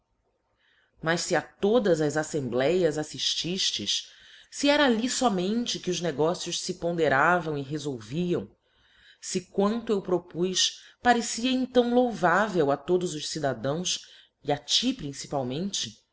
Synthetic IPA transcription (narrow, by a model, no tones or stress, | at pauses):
mɐʃsɪat̪od̪ɐzɐzasẽmblɛjɐzasiʃt͡ʃiʃt͡ʃɪʃ | siɛɾaːlisɔmẽnt͡ʃɪkɪʊzneɡɔsiʊʃsɪpõnd̪eɾavɐ̃w̃ɪɦezowviɐ̃w̃ | sɪkwɐ̃nt̪ʊewpɾopujspaɾesiɐẽt̪ɐ̃w̃lowvavewat̪od̪ʊzʊʃsid̪ad̪ɐ̃w̃s | iat͡ʃipɾĩsi̥pawmẽnt͡ʃɪ